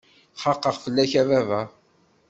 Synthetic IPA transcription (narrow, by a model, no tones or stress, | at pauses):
χɑqːəʁfəlːæçævævæ